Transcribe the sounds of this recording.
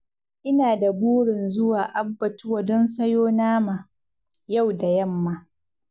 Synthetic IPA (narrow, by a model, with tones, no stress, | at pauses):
ʔɪ˦naː˨da˨buː˦ɽɪ˨nzʊ˦waː˨ʔa˦bːɐ˨tʊ˦wa˨dɔ˦nsɐ˦joː˦naː˦ma˨ | ja˦˨wda˨jɐ˦˨mːa˦